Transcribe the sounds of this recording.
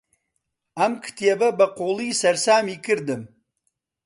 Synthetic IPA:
ɐmkʰɨ̥t̪ʰiebɐbɐqoːlˠiːsɐɾsaːmikɨɾd̪ɨm

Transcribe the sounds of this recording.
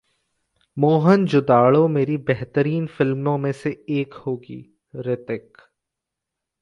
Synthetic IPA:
moːɦənd͡ʒʊd̪aːɭomeːɾibɛɦt̪əɾiːnfɪlmõmẽseeːkhoːɡḭː | ɾɪt̪ɪk

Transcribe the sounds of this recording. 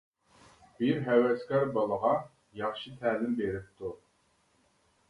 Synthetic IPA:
b̥iɾɦɛwɛskʲɑɾbɑlˠəʁɑ | jɑχʃit̪ʰæːlɪmbeɾɪp̚t̪ʰu

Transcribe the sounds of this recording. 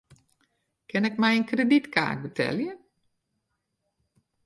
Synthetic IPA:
kʰɪnɛkmɛjənkreditka̰ːt̚bətʰɛ̰ljə

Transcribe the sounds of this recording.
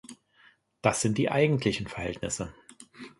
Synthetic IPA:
d̥asz̥ɪnt̚d̥iːʔaɪɡŋ̩tʰlɪçn̩fɛɐhɛ̰ltnɪsə

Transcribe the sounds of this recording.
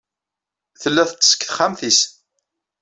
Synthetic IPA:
θəlːæθət͡sːə̥skθχamθis

